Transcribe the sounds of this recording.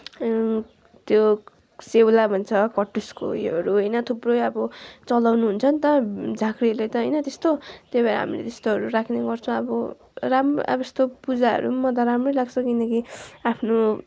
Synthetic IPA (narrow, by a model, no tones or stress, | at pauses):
t̪jo | sewlabʱʌnt͡sʰʌkʌʈːusko̰iɦʌɾuɦʌjnʌt̪ʰubrojʌbʌt͡sʌlawnuɦunt͡sʰʌnt̪ʌd͡zʱakɾilajt̪ʌɦʌjnʌt̪est̪ot̪jobeɾa̰ɦa̰milḛt̪est̪oɦʌɾuɾakʰneɡʌrt͡sʰʌ̃ʌbʌ | ramʔa̰bʌest̪opud͡zaɦʌ̰ɾumʌt̪̬aɾamrʌjlaɡt͡sʰʌ̃kinʌkiapʰno